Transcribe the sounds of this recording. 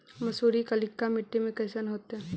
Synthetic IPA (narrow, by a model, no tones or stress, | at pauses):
mɐsuːɾikɐlɪkːamɪʈːemẽkɐːsənɦoːt̪eɦɛ̃